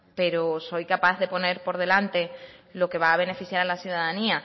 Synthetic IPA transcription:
pe̞ɾoso̞jkapaððe̞po̞ne̞ɾpo̞ɾðe̞lant̪e̞lo̞ke̞βaːβ̞e̞ne̞fiθjaɾalasjuðaðania

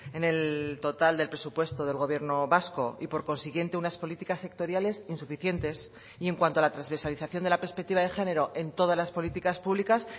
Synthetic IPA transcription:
e̞ne̞lt̪o̞t̪ald̪e̞lpɾe̞supwe̞st̪o̞ðe̞lɣ̞o̞β̞je̞ɾno̞βasko̞ipo̞ɾko̞nsiɣje̞nt̪e̞unaspo̞lit̪ikasːe̞k̚t̪o̞ɾjale̞sinsufiθje̞nt̪e̞s | ie̞ŋkwant̪oalat̪ɾazβeɾsaliθaθjo̞nd̪e̞lape̞ɾspek̚t̪iβaðe̞xe̞ne̞ɾo̞ʔe̞nt̪o̞ð̞azlaspo̞lit̪ikaspuβlikas

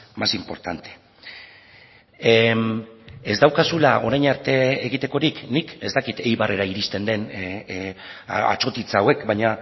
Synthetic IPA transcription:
masimpo̞̰ɾt̪ant̪e̥ | e̞zd̪awkasulao̞ɾajɲaɾt̪e̞eɣit̪e̞ko̞ɾiknike̞zt̪akit̪e̞jβare̞ɾaiɾist̪e̞nd̪e̞n | a̰t͡ʃo̞t̪it͡sawe̞kbajɲa

